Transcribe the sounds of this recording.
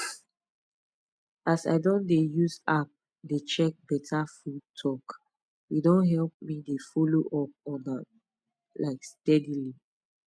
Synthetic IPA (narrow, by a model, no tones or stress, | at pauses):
asa̰ɪdɔ̃ndejuzap̚ | det͡ʃɛk̚bɛtʰafud̚tʰɔk | jedõnɦɛlp̚midefɔloʔɔp̚ɔ̃na | laɪkstɛdili